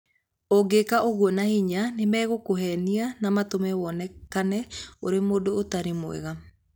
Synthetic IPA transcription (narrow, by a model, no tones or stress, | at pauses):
oɡekaʔoɣuɔnahiɲanemɛːɣokoɦɛnianamatomɛwɔnɛkanɛoɾemoːdoːtaɾemwɛ̰ɣa